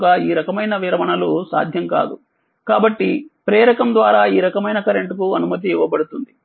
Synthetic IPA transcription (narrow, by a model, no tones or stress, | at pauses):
ɡaːiːɾɐkɐmɐjnɐʋiɾɐʋɐɳɐlusa̰ːd̪ʱjɐŋka̰ːd̪u | kaːbɐʈːipɾɛːɾɐkɐmd̪ʋaːɾaːiːɾɐkɐmɐjnɐkɐɾeɳʈukuɐnumɐt̪ːiiʋɐbɐɽut̪und̪i